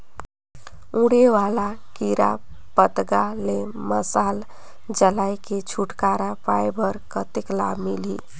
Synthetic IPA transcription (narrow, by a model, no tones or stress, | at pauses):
ũɽeʋala | kiɾa̰ | pət̪ɡaleməsal | d͡ʒəlajket͡ʃʰuʈkaɾapajbəɾkət̪ekla̰milḭ